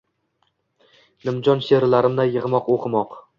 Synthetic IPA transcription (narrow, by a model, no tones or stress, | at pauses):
nɪmd͡ʒɒnʃeɾlaɾɪmd̪ajɨʁmɒqoqʰɨmɒq